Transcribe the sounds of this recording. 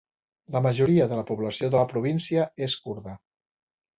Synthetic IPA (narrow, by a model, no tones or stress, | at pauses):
ləməʒuɾiəðələpuβləsioðəlpɾuβ̞insiəeskuɾðə